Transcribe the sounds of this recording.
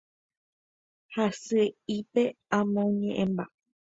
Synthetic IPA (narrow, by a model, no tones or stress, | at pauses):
hasɨipe̞ãmõɲẽʔẽmba